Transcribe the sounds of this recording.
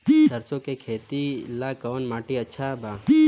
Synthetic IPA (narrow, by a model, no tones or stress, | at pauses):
səɾsõkekʰeːt̪ilakəʋnmaːʈiətːʃʰabaː